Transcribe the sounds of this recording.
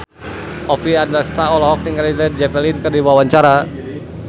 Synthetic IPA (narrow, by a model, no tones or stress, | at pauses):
ɔfiaddəst̪aɔlɔɦɔk̚niŋalidɛrd͡ʒɛpɛlinkɨrdiwawaɲt͡ʃaɾa